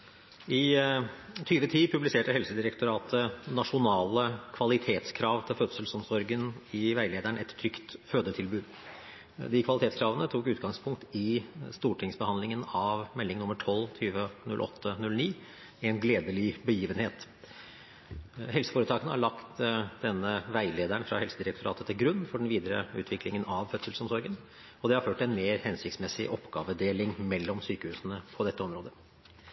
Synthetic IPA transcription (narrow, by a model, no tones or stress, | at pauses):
ɪ | t̪ʰyːʋət̪ʰiːpʰʉblɪseːʈəhɛlsəd̪ɪɾəkt̪ʊɾɑːt̪ʰənɑʂʊnɑːləkʰʋɑlɪt̪ʰeːt̪skʰɾɑːʋt̪ʰɪlfœt̪səlsɔmsɔɾɡənɪʋæɪleːd̪æɳɛt̪t̪ʰːɾʏkt̪føːd̪ət̪ʰɪlbʉːd̪ | d̪ɪkʰʋɑlɪt̪eːt̪skʰɾɑːʋənət̪ʰuːkʉːt̪ɡɑŋspʰʊŋk̚t̪ɪst̪uːʈʰɪŋsbəhɑnlɪŋənɑʋmɛlːɪŋnʊmːəʈʰɔlt̪ʰyːʋənʉ̰lʔɔ̰t̪ʰːənʉlniː | ɛnɡleːd̪əlɪbəjiːʋənheːt̪ | hɛlsə̥foːɾət̪ɑːkənəhɑ̰ɭɑkt̪d̪ɛnːəʋæɪleːd̪æɳfɾɑ̰hɛlsəd̪ɪɾəkt̪ʰʊɾɑ̰ːt̪ət̪ʰɪlɡɾʉnːfɔɖɛnʋiːd̪əɾə̰ʉ̰ːt̪ʋɪklɪŋənɑʋfœt̪səl̩sɔmsɔɾɡən | ɔd̪ɛhɑɾføːʈːɛnmeːɾhɛnsɪkt̪smɛsɪ̰ʔɔpɡ̥ɑːʋəd̪eːlɪŋmɛlːɔmsyːkəhʉːsənəpʰɔd̪ɛt̪ːəɔmɾoːd̪ə